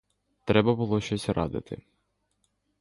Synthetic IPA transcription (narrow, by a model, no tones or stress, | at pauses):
t̪ɾɛbɐbʊlˠɔʃt͡ʃɔsʲɾɑ̰d̪ɪ̰t̪ɪ̰